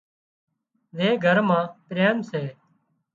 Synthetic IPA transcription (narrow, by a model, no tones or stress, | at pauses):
ʋeːɡʱəɾmãːpɾeːmseː